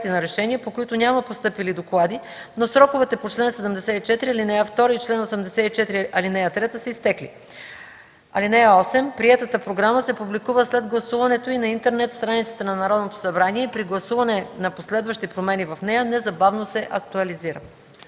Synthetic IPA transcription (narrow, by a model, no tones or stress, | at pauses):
t̪inɐɾɛʃɛnʲiəpokoit̪onʲamɐpost̪ɤpilid̪oklˠad̪i | nosɾɔkovɛt̪ɛpot͡ʃlɛnsɛd̪əmd̪ɛsɛit͡ʃɛt̪iɾiɐlinɛjəft̪ɔɾəit͡ʃlɛnosɛmd̪ɛsɛit͡ʃɛt̪ɾiɐlinɛjət̪ɾɛt̪əsɛist̪ɛklḭ | ɐ̰linɛjəɔsɛmpɾiɛt̪ət̪əpɾoɡɾaməsɛpublikuvəslɛd̪ɡlˠɐsuvɐnɛt̪oinɐint̪ɛɾnɛt̪st̪ɾanit̪sɛ̥t̪ɛnɐnɐɾɔd̪not̪o̥sɐbɾaniɛipɾiɡlˠɐsuvɐnɛnɐposlɛd̪vɐʃt̪ipɾomɛnivɐfnɛjənɛzɐbavnosɛʔɐk̚t̪uɐliziɾə